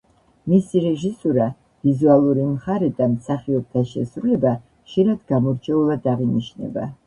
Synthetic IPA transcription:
misiɾɛʒisuɾa | vizualˠuɾimχaɾɛd̪amsaχiɔb̚t̪ʰaʃɛsɾulɛba | χʃiɾad̪̥ɡamɔɾt͡ʃʰɛulˠad̪aʁiniʃnɛ̰ba̰

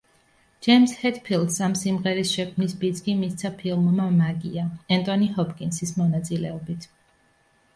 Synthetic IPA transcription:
d͡ʒ̥ɛjmshɛt̪pʰilˠd̪samsimʁɛɾisʃɛkʰmnisbid̪skʼimist̪sʰapʰilˠmmamaɡiaɛnt̪ʼɔniɦɔpʰkʼinsismɔnat̪sʼilɛɔbit̪ʰ

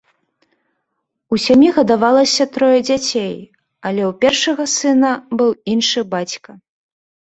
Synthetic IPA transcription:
usʲamʲiɣɐd̪avalˠɐsʲɐt̪ɾɔjɐd͡zʲat͡sʲej | ɐlʲɛwpʲɛrʂɐɣɐsɨnɐbɨwinʂɨbat͡sʲkɐ

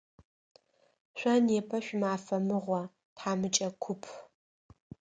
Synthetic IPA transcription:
ɕʷɐneːpʰɐʃʷʊmaːfɐmɨʁʷɔ | tʰħaːmɨt͡ʃʼɐkʷʰʊpʰ

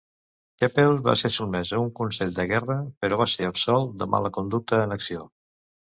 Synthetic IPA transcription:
kɛpelˠβa̰sesumɛzəuŋkunsɛʎd̪əɣɛrəpəɾɔβaseəpsɔlˠd̪əma̰ləkund̪uk̚t̪əːnəksio

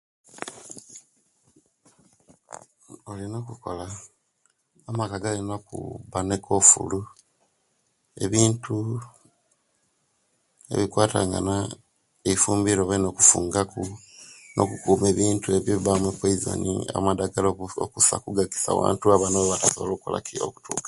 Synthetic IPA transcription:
olino̞ːkuko̰la | amakaɡalenokṵβanekʰo̞fṵlu | e̞̰βiːntu | e̞̰βikwaːtaːŋɡa̰na | eifuːmbiɾoβeno̞ːkufuːŋɡakuno̞̰kukuːmeβiːntue̞βjoβiβamwekweizo̰nḭa̰madaɡalookusa̰kuɡaɡi̥sa̰ːwa̰ːntuaβanaβoβatasoβalokukolʔa̰kio̰ku̥tʰuːkḁ

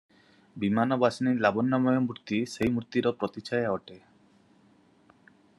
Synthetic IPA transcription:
bimanɔbasinilabɔnːamɔjɔmuɾt̪iseɦjmut̪iɾɔpɾɔt̪it͡ʃajaɔʈe

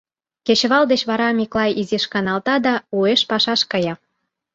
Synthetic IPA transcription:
ket͡ɕβɑld̪et͡ɕβɑɾɑmʲiklɑjiziʃkɑnɑlt̪ɑd̪ɑueʃpɑʃɑʃkɤjɑ

